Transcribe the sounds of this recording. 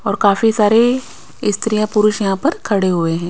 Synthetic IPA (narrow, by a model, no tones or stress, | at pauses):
ɔːɾkaːfisaːɾe | ɪst̪ɾijãpʊɾʊʃjɐɦãpɐɾkʰɐɽeɦʊeɦɛ̃ː